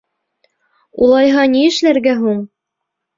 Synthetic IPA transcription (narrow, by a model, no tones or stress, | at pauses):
ulˠɑjɦɑniɘ̆ʃlæɾɡæɦuɴ